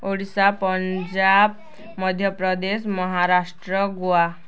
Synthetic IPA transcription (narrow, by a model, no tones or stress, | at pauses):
oɽisapəɲd͡ʑab̚ | məd̪ʱjəpɾəd̪esməɦaɾaʂʈɾəɡoa